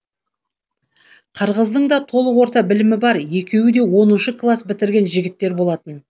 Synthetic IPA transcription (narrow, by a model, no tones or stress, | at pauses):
qʰəɾʁəzd̪əɴd̪ɑt̪ʰo̞lˠəqwo̞ɾt̪ɑbɪlɪmɪbɑɾje̞kʲe̞wɪd̪e̞wo̞nənʃəkʰlˠasbɪt̪ɪɾɡʲe̞nʒɪɡʲɪt̪ːe̞ɾbo̞lˠɑt̪ən